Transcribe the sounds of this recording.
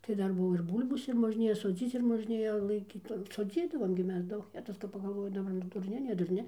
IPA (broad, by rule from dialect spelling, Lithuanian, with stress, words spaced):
tɐɪ ˈdɐr ˈbʊʋoː ɪr ˈbʊlʲboːs ɪr moːʒʲˈnʲeːjɛ soːˈd͡zʲiːt͡s ɪr moːʒʲˈnʲeːjɛ lˠɐɪˈkʲiːt soːˈd͡zʲiːdɐʋoːm ɡʲɪ ˈmʲɛs ˈdɐʊk ˈjæːtʊs kɐp pɐɡɐlˠˈʋoːjɪ dɐˈbɐr nʊ dʊrʲˈnʲɪ nʲɛ dʊrʲˈnʲɪ